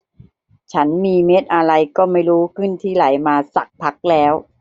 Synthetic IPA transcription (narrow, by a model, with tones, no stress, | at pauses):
t͡ɕʰa˦˥nmiː˧me˦˥t̪̚ʔa˧ɾa˧jkɔː˥˩ma˥˩jɾuː˦˥kʰɯ˥˩nt̪ʰiː˥˩ɾa˩˦jmaː˧sa̰˨˩k̚pʰa˦˥k̚lɛː˦˥w